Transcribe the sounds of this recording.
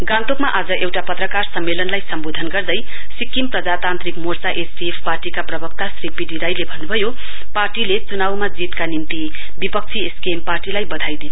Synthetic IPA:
ɡãnt̪okmaʔad͡zʌʔewʈapʌt̪rʌkarsʌmːelʌnlajsʌmbod̪ʱʌnɡʌrd̪ʌj | sikːimprʌd͡zat̪ant̪rikmort͡saʔesbiepʰparʈikaprʌbʌk̚t̪asripiɖiɾajlebʱʌnːubʱʌjo | parʈilet͡sunawmad͡zit̪kanimt̪i | bipʌk̚t͡sʰieskemparʈilajbʌd̪ʱajd̪in

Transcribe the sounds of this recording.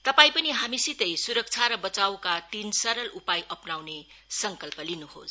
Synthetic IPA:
t̪ʌpaĩpʌniɦamisit̪ʌjsuɾʌk̚t͡sʰaɾʌbʌt͡sawkat̪insʌɾʌlupajʔʌpnawne | sʌŋkʌlpʌlinuho̰s

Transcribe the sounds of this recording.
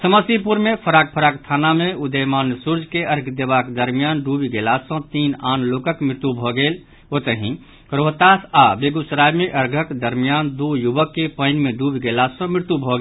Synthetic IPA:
səməsipuɾmepʰəɾaːk̚pʰəɾakt̪ʰanameud̪əjmaːnsuɾd͡ʒkeəɾɡʰd̪ebaked̪əɾmijanɖubiɡelasə̃t̪inaːnlokəkmɪɾt̪ubʱɔɡeːl | ot̪əɦĩ | kɾoɦt̪asabeɡusɾajmeʔəɾɡʱəkd̪əɾmijand̪ujubəkːepəɪnmeɖubiɡelasɔ̃mɪɾt̪ubʱɔɡe

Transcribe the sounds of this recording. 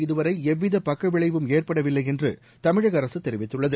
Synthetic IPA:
ɪðɯʋɐɾɐɪɛʋːɪðɐpɐkːɐʋɪɭɐɪʋɯmeːrpɐɽɐʋɪlːɐɪɛndrɯ̰ | t̪ɐmɪɻɐɣɐɾɐsɯt̪ːɛɾɪʋɪt̪ːɯɭːɐðɯ

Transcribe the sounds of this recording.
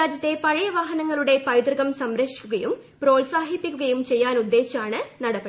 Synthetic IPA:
aːd͡ʑɐt̪ːe̞pɐɻijɐʋaːɦɐnɐŋːɐɭuɽe̞pɐjd̪rɨɣɐmsɐmɾɐkʂi̥kʲːuɣɐjum | pro̞ːlsaːɦipːikʲːuɣɐjumt͡ɕe̞jːaːnud̪ːe̞ːɕaːɳɨnɐɽɐbɐ

